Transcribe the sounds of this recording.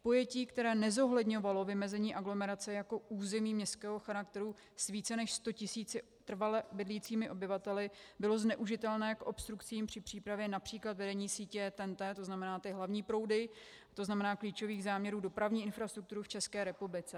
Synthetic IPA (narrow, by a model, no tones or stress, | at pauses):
po̞jɛciːkt̪ɛɾɛːnɛzo̞ɦlɛdɲo̞valo̞vɪmɛzɛɲiːʔaɡlo̞mɛɾat͡sɛjako̞uːzɛmiːmɲɛst̪kɛːɦoxaɾak̚t̪ɛɾu | sviːt͡sɛnɛʃst̪o̞cɪsiːt͡sɪ | t̪r̩valɛbɪdliːt͡siːmɪʔo̞bɪvat̪ɛlɪbɪlo̞znɛʔuʒɪt̪ɛlnɛːkʔo̞pst̪ɾukt͡siːmpr̥ɪpr̝̥iːpɾavjɛnapr̥iːklat̪vɛdɛɲiːsiːcɛt̪ɛnt̪ɛt̪o̞znamɛnaːt̪ɪɦlavɲiːpɾo̞wdɪ | t̪oznamɛnaːkliːt͡ʃo̞viːɣzaːmɲɛɾuːdo̞pɾavɲiːʔɪnfɾast̪ɾuk̚t̪uɾuft͡ʃɛskɛːɾɛpublɪt͡sɛ